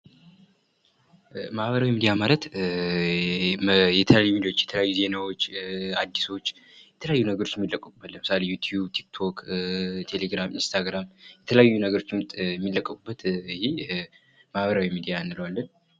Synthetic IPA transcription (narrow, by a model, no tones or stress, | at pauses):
mahβəɾawimid̪ijamalət̪ | jɛt̪ʰələjajumid̪iawot͡ʃːjɛt̪ʰələjajːuze̞nawot͡ʃːad̪ːiso̞t͡ʃː | jɛt̪ʰələjajːunəɡəɾo̞t͡ʃːjɛmːilːəkʼːəkʼubːət̪lːənmɨsalejut̪ʰjubt̪ʰi̥kt̪ʰo̞kt̪ʰe̞leɡɾamʔinst̪ʰaɡɾamjɛt̪ʰələjajːunəɡəɾo̞t͡ʃːɪmt̪ʼjɛmːilːəkʼːəkʼubːət̪ɪhe | mahβəɾawimid̪ijanːɨləwalːən